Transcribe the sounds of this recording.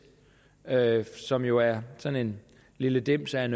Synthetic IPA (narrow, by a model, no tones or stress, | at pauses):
øsɒ̽mjo̝æɐsɒ̽ne̝n | liləd̥em̰sæen